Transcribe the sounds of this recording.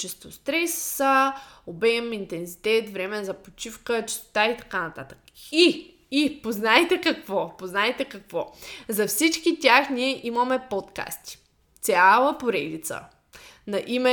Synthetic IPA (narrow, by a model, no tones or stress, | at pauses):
t͡ʃɛst̪ost̪ɾɛsːəobɛmint̪ɛnsit̪ɛt̪vɾɛmɛzɐpot͡ʃifkət͡ʃi̥st̪o̥t̪ait̪ɐ̥kanɐt̪at̪ə̥k | i | ipoznajt̪ɛkɐkvɔpoznajt̪ɛkɐkvɔzɐfsit͡ʃkit̪ʲjaxniɛʔiməmɛpot̪ka̰st̪i̥ | t̪sʲjalˠəpoɾɛd̪it̪sə̰ | nɐʔimɛ